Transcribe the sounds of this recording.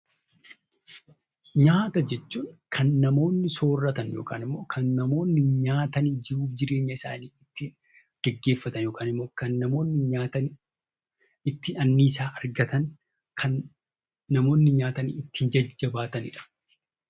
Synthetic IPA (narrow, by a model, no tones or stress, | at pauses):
ɲaːt̪ɐd͡ʒɛt͡ʃːuːŋkʰɐnːɐmo̞ːnːɪso̞ːrːɐt̪ɐnjo̞̰ːkʰa̰ːnɪmːo̞ːkʰɐnːɐmo̞ːnːɪɲaːt̪ɐniːd͡ʒɪɾuːfd͡ʒɪɾe̞ːɲːɐɪsa̰ːniːɪt̪ːɪ | ɡ̥ɛɡːe̞ːfːɐt̪ɐnjoːkʰaːnɪmːo̞ːkɐnːɐmo̞ːnːɪɲaːt̪ɐn | ɪt̪ːɪɐnːiːsaːɐɾɡɐt̪ɐn | kʰɐnː | ɐmo̞ːnːɪɲaːt̪ɐnḭːɪt̪ːɪhɪnd͡ʒɐd͡ʒːɐbaːt̪ɐnɪ̰ᶑɐ̥